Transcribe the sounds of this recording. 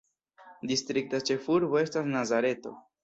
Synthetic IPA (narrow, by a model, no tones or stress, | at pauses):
distɾik̚tat͡ʃe̞fuɾbo̞e̞stas̬nazaɾe̞to̞̰